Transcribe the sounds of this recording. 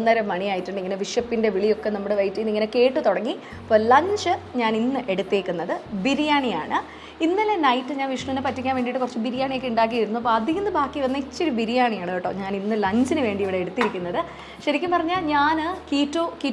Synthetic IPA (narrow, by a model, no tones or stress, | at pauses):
nːɐɾɐmːɐɳijaːjitːuɳɖɨiŋːɐneʋiʂjɐpːinde̞ʋiɭijo̞kːe̞nɐmːuɽeʋɐjitːijinːiŋːɐne̞ke̞ːʈːɨt̪oɽɐŋːi | pːo̞ːlɐɲd͡ʑɨɲaːninːɨʔe̞ɽut̪ːeːkʲːunːɐðɨbiɾijaːɳija̰ːɳɨ | inːɐlenɐjtːɨɲaːnʋiʂɳɐt̪inɨpɐtːikʲːaːnʋeːɳɖiʈːɨkurɐt͡ɕːɨbiɾijaːɳijekːeuɳɖaːk̬ːijiɾunːuɐp̬ːoɐd̪ʱiɦɐnːɨbʱaːkːiʋɐnːɐit͡ɕːo̞ɾubiɾijaːɳijaːɳɨeːʈːoːɲaːninːɨlɐɲd͡ʑinɨʋe̞ːɳɖiʋiɽeeɽut̪ːiɾikʲːunːɐðɨ | ɕɐɾikʲːumpɐrɐɲːaːlɲaːnɨkiːtːoːki